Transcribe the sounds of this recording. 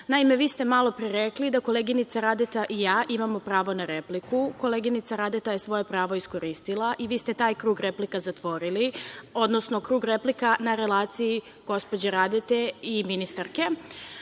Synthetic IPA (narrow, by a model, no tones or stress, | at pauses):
naime̞ʋiːst̪emalˠo̞pɾiɾeklid̪ako̞lˠeɡinit̪saɾad̪et̪aʔijaːʔimamopɾaːʋo̞naɾeplikuko̞leɡinit̪saɾad̪et̪ajesʋo̞jepɾaːʋoisko̞ɾist̪ilˠaʔiʋiːst̪e̞t̪aːjkɾuːɡɾeplikazat̪ʋo̞ɾilio̞d̪no̞snokɾuːɡɾeplikanaɾe̞laːt̪siji | ɡ̥o̞spo̞d͡ʑeɾad̪et̪eiminist̪aɾke̞